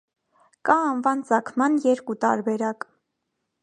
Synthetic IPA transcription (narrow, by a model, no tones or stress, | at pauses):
kɑɑnvɑnt͡sɑkʰmɑnjɛɾkut̪ɑ̰ɾbɛɾɑk